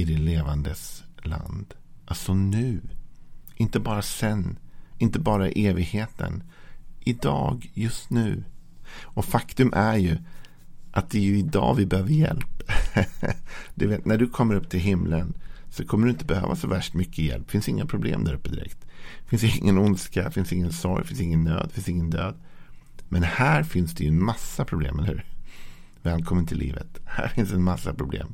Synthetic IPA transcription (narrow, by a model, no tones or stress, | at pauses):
ɪd̪ɪt̪leːvand̪əsla̰nd̪ʔalsɔnʉ̟ː | ʔɪnt̪əbɑːɾasɛnːɪnt̪əbɑːɾaɪʔeːvɪɡheːt̪ʰə̰nʔɪd̪ɑːɡjɵst̪nʉ̟ː | ɔfakt̪ɵmʔæɾjɵ | ʔat̪̚d̪ɛjɵɪd̪ɑ̰ːvɪbɛhøːvəɾjɛ̰lp | d̪̥ɵveːt̪næɖɵkʰɔmːəɾɵpːt̪ʰɪlɦɪmlənsɔkʰɔmːəɖɵɪnt̪əbɛhøːvasɔvæʂʈmʏkːəjɛ̰lpːfɪnst̪ɪŋːapʰɾʊblḛːmd̪æɾɵpːəd̪ɪɾɛ̰kt̪fɪnsd̪ɪŋːənʊnskafɪnsɪŋːənsɔɾjfɪnsɪŋːənːø̰ːd̪fɪnsɪŋːənd̪øːd̪mɛnhæːɾfɪnsd̪ɛjɵɛnmasːapʰɾʊblḛːmɛləhʉ̟ːɾ | vɛːlkʰɔmːənt̪ʰɪlːḭːvə̰t̪hæ̰ːɾfɪnsd̪ɛnmasːapʰɾʊblḛːm